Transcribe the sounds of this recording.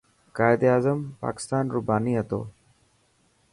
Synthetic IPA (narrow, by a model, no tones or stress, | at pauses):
kaːjd̪eaːzəmpa̰ːkɪ̥st̪aːnɾubaːniɐt̪o̰ː